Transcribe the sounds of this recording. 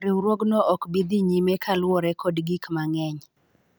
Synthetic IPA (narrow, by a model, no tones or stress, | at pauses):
ɾɪɾwoɡnɔʔɔkbid̪iɲimekʰalwɔɾɛkʰɔdɡikmaŋɛɲ